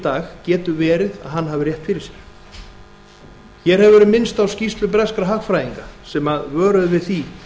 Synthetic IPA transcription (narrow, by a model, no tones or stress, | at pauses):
t̪aːɣcɛːt̪ʏvɛːɾɪða̰ðɦanːɦavɪɾrjɛht̪fɪɾɪɾsjɛɾ̥ | çɛɾ̥hɛvɛːɾɪðmɪnst̪awscist̪lʏpɾɛskɾaɦaxfɾaːjiŋkasɛmaðvœːɾʏðvɪðθi